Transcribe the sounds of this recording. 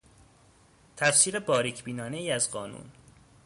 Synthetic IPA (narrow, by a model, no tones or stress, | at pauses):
t̪ʰæfsiːɾebɒːɾicʰbiːnɒːne̞iːæzɢɒːnṵn